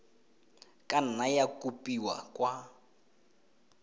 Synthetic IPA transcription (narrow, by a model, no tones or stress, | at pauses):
kʼan̩najakʼupʼiwa̰kʼwa